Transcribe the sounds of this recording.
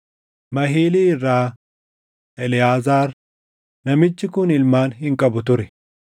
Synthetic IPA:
mɐɦiːliːɪrːaː | ʔɛlɪjaːzaːɾ | nɐmɪt͡ʃːɪkʊnɪlmaːnɦɪŋkʼɐbʊt̪ʊɾɛ

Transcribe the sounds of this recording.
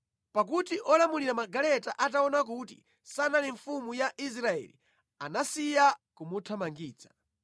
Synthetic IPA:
pak̬utiʔɔlamuliɾamaɡalɛtaʔat̬aɔnak̬utḭ | sanaliɱfumujaʔis̬ɾaɛ̰lḭ | anasijakumutʰamaŋɡiːt͡sḁ

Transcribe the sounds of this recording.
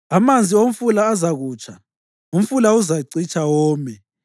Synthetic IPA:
amand͡zʱiom̩fulaːzaɣuːt͡ʃʰʼa | um̩fulauzaǀit͡ʃʰʼawɔːmɛ

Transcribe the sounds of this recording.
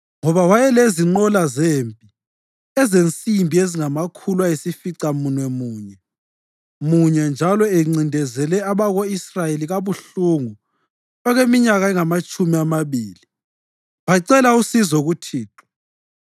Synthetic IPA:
ŋɔβawajɛleziŋ͡ǃɔlazeːmpʼi | ɛzent͡sʼimbʱieziŋamakʰulwaesifiǀamunwɛmuːɲɛ | muɲɛnd͡ʒʱalɔeŋ͡ǀindʱɛzɛlɛaβaɣoisrajeliɣaβuɬuŋu | ɔɣemiɲaɣaɛŋamat͡ʃʼumiamaβiːli | βaǀɛlausizɔɣutʰiːtʰʼu̥

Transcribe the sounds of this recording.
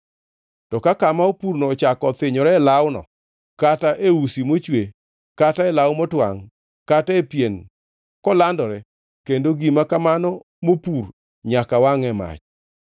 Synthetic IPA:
tɔkakamaopurnɔːt͡ʃakɔt̪ɪɲɔɾɛlawnɔ̰ | kataʔeusimot͡ʃwe | kataɛlawmɔtwa̰ŋ | kataepjen | kɔlandɔɾɛ | kendoɡimakamanɔ | mopur | ɲakawaŋɛma̰t͡ʃ

